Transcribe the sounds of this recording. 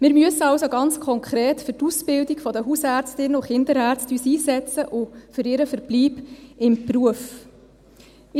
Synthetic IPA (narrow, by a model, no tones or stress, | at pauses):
mɪɾmyəsəɑwsoɡɑnt͡skʰɔŋkχɾeːtfʏɾtusbɪldikfɔdəɦusæːɾt͡stɪnːəuχɪndəɾæːɾt͡styːsiːsɛt͡səʔʊfʏɾɪɾəfəɾb̥liːbɪmpruəf